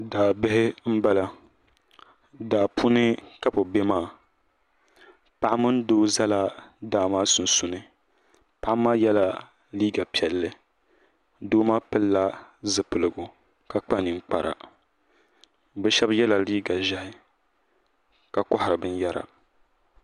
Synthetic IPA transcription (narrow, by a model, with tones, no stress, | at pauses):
daː˨bɪ˦ɦɪ˦m̩˦ba˦la˦ | daː˨pʰu˦nɨ˦ka˦po˨be˦maː˦˨ | pa˦ʔa˦mɨ˦n˦doː˦za˦la˦daː˨maː˦sʊ˨n˨sʊ˨nɨ˨ | pa˦ʔa˦maː˦jɛ˦la˨ | liː˦ɡa˨pi˨ɛ˨lːɨ˦ | doː˦maː˦pɨ˦lːa˦zɨ˨pɨ˨lɨ˨ɡʊ˨ | ka˨k͡pa˦ni˨ŋ͡mk͡pa˨ɾa̰˨ | bɨ˦ʃɛ˦bjɛ˦la˨liː˦ɡa˨ʒa˦hɪ˦ | ka˨kɔ˦hɪ˨ɾɨ˨bɨ˦njɛ˦ɾa̰˨